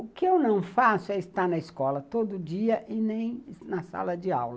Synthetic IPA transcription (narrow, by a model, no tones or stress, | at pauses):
ʊkɪewnɐ̃w̃fasʊɛɪst̪anɐɪskɔlɐt̪od̪ʊd͡ʒiɐʔɪnẽj̃nɐsa̰lɐd͡ʒɪa̰wlɐ